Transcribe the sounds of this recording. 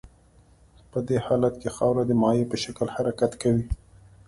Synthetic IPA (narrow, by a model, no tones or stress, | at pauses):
pəd̪ehɑlat̪kexɑwɾad̪əmɑjepəʃakəlhaɾakat̪kawi